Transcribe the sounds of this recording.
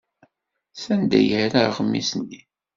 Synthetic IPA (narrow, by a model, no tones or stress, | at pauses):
sænd̪æ̰jəhɾaɾʁəmːḭsənːi